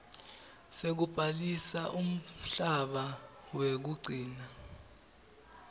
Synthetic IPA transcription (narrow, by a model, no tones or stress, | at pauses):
sek̬ub̥ʱalisaʔum̩ɬaɓawek̬uɡ͡ǀʱiːna